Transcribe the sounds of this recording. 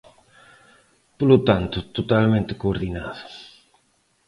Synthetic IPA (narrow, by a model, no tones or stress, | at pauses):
polot̪ant̪ʊt̪ot̪almẽnt̪ɪkoːɾðinaðʊ̥